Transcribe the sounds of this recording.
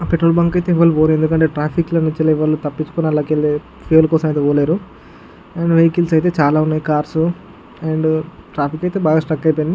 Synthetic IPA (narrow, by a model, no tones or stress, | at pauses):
peʈːɾoːlbɐŋkɐjt̪eːʋɐlːuʋoːɾuend̪ukɐɳʈe̞ːʈɾaːpʰiklɐnuɲt͡ʃilɐiʋɐɭːut̪ɐpːit͡ʃːu̥koniɐlaːkeld̪e | pʰeːlkɔːsɐmɐjt̪eːoːleːɾu | eɳɖʋejkilsɐjt̪e̞ːt͡ʃaːlaːunːaːjikaːɾsu | eɳɖʈɾaːpʰikɐjt̪e̞ːbaːɡaːsʈɐkːɐjpoːjni